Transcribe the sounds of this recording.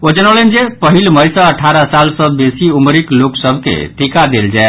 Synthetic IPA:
od͡ʒənəʊlənd͡ʒepəɦilməjsə̃əʈʰaɾəsalsə̃besiumɾikloksəbʱkḛʈikad̪eld͡ʒae

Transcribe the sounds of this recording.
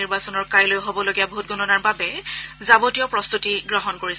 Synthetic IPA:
iɹbasɔnɔɹkajlojɦobɔloɡiaboɦut̚ɡɔnɔnaɹbabɛzabotijɔpɹɔst̪utiɡɹɔɦɔnkoɹis

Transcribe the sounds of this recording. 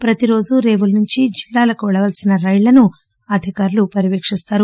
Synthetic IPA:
pɾɐt̪iɾo̞ːd͡ʒuɾe̞ːʋulnuɲt͡ʃid͡ʒilːaːlɐkuʋɛɭɐʋɐlsinɐɾɐjlɐnu | ɐd̪ʱikaːɾulupɐɾiʋeːkʂist̪aːɾu

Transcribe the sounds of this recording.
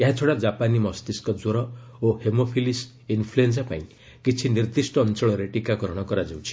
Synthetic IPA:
eɦat͡ʃʰoɽad͡ʒapanimɔst̪iskɔd͡ʒoɾɔohemopʰilis | inpʰluensapaĩ | kit͡ʃʰiniɾd̪isʈɔːnt͡ʃɔɭɔɾeʈikakɔɾɔɽ̃ɔkɔɾad͡ʒawt͡ʃʰi̥

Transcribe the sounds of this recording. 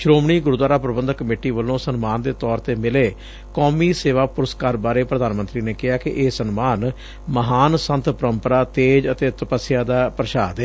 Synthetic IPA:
ʃɾoːmɳ̃iːɡʊɾd̪waːɾaːpɾəbənd̪kːəmeːʈiːʋəlõːsənmaːnd̪eːt̪ɔːɾt̪eːmɪleː | kɔːmiːseːʋaːpʊɾəskaːɾbaːɾeːpɾəd̪aːnmənt̪ɾiːneːkɪɦaːkɪʔeːsənmaːn | məɦaːnsə̃nt̪pəɾəmpəɾaːt̪eːd͡ʒət̪eːt̪əpəsɪjaːd̪aːpɾəʃaːd̪eː

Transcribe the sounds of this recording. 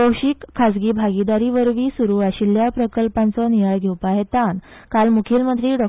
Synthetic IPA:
əwɕikʰːad͡zɡiːbʱaɡid̪aɾiʋəɾʋiːsuɾuːaɕiljapɾəkəlpãnt͡sɔnijaɭɡʱewpaɦet̪an | kalmukʰiːlmənt̪̬ɾiːɖɔ

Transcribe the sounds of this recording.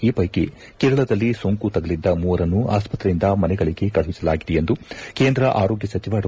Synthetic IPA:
iːpɐjkḛ | keːɾɐɭɐd̪ɐlːiso̞ŋkut̪ɐɡɐlid̪ːɐmuːɐɾɐnːuaːspɐt̪ɾɐind̪ɐmɐnɛɡɐɭiɡe̞kɐɭisɐlaːɡid̪ɛjend̪uke̞ːnd̪ɾɐʔaːɾo̞ːɡjɐsɐt͡ʃiʋaːɽɐ

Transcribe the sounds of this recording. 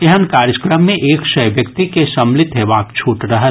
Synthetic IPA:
eɦənkaːɾjəkɾəmːẽʔeːkʃɐjʋjɐkt̪ikesɐmlɪt̪ɦeʋaːkt͡ʃʰuːʈɾɐɦət̪

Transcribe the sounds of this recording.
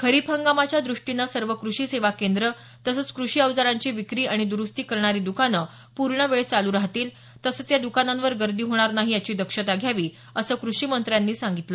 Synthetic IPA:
kʰəɾiːpʰəŋɡamat͡ɕjad̪ɾuʂʈinəsəɾʋəkɾuʂiːseʋakend̪ɾə | t̪əsət͡skɾuʂiːəʋd͡zaɾaɲt͡ɕiːʋikɾiːaɽ̃id̪uɾust̪iːkəɾɳaɾiːd̪ukanə | puɾɳəʋeɭet͡saluɾaɦt̪iːl | t̪əsət͡sjad̪ukanãnʋəɾɡəɾd̪iːɦoɽ̃aɾnaɦiːjat͡ɕiːd̪əkʂət̪aɡʱjaʋiː | əsəːkɾuʂiːmənt̪ɾjanːiːsaŋɡit̪lə

